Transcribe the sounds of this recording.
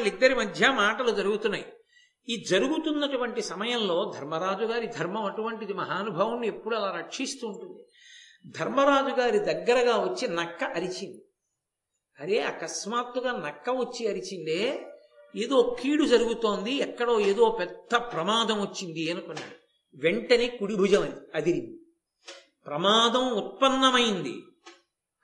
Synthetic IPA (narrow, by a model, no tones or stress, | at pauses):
lid̪ːɐɾimɐd̪ʱjɐmaːʈɐlud͡ʒɐɾuɡut̪unːaːji | id͡ʒɐɾuɡut̪unːɐʈuʋɐɳʈisɐmɐjɐmlo̞ːd̪ʱɐɾmɐɾaːd͡ʒuɡaːɾid̪ʱɐɾmɐmɐʈuʋɐɳʈid̪imɐɦaːnubʱɐʋɐmnie̞pːuɽuɐlaːɾɐkʂist̪uːɳʈund̪i | d̪ʱɐɾmɐɾaːd͡ʒuɡaːɾid̪ɐɡːɐɾɐɡaːʋɐt͡ʃːinɐkːɐʔɐɾit͡ʃind̪i | ɐɾeːa̰ːkɐsmaːt̪ːuɡaːnɐkːɐʋɐt͡ʃːiɐɾit͡ʃind̪eː | eːd̪o̞ːkʰiːɽud͡ʒɐɾuɡut̪o̞ːnd̪iɛkːɐɽo̞ːe̞ːd̪o̞ːpɛd̪ʱːɐpɾɐmaːd̪ɐmʋɐt͡ʃːind̪iɐnukɔnːa̰ːɽu | ʋe̞ɳʈɐneːkuɽibʱud͡ʒɐmɐniɐd̪iɾini | pɾɐmaːd̪ɐmut̪̚pɐnːɐmɐjind̪ḭ